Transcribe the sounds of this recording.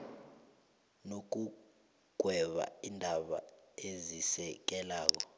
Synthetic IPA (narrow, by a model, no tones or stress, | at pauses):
nok̬u | ɡ̥ʱwɛɓa̰indʱaɓa̰ezisɛk̬ɛlaːk̬ɔ